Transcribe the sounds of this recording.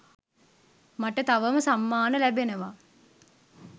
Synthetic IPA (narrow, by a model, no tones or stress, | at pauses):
maʈət̪aʋəməsamːaːnəlæbenəʋa